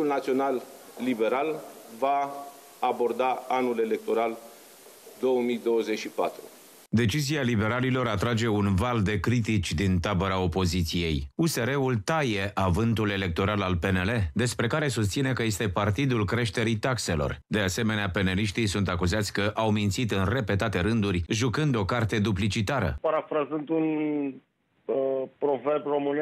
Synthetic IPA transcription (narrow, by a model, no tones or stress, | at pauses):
ulnat̪sio̞nalːibe̞ɾalvaː | bo̞rd̪aanule̞le̞k̚t̪o̞ɾal | d̪o̞wəmijd̪o̞wəzet͡ʃʃipat̪ɾṵ | d̪e̞t͡ʃizialibe̞ɾalilo̞ɾat̪ɾad͡ʒe̞unvald̪e̞kɾit̪it͡ʃʲd̪int̪abəɾao̞po̞zit̪sije̞juse̞ɾe̞ult̪aje̞ʔavɨnt̪ule̞le̞k̚t̪o̞ɾalalpe̞ne̞le̞d̪e̞spɾe̞kaɾe̞sust̪sine̞kəje̞st̪e̞part̪id̪ulkɾe̞ʃt̪e̞ɾit̪akse̞lo̞̰rd̪e̞ase̞me̞neape̞neliʃt̪isunt̪akuzat̪sʲkəʔawmint̪sit̪ɨnre̞pe̞t̪at̪e̞ɾɨnd̪uɾʲʒukɨnd̪o̞kart̪e̞d̪uplit͡ʃit̪aɾə̰paɾafɾazɨnt̪un | pɾoverbro̞mɨn